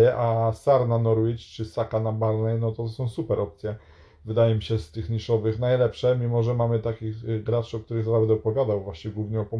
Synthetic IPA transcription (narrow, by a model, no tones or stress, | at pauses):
ɛʔasaɾnanɔɾwit͡ɕt͡ʂɘsakanabaɾnɛjnɔt̪ɔsɔ̃w̃supɛɾʔɔp̚t̪sʲjɛ | vɘd̪ajɛmʲiɕɛst̪ɘxɲiʂɔvɘxnajlɛpʂɛmʲimɔʐɛmamɘt̪akʲiɣɡɾat͡ʂɔk̚t̪uɾɘɣzaɾabɛd̪ɛɔpɔvʲjad̪awvwaɕɲɛɡwuvɲɛɔpɔ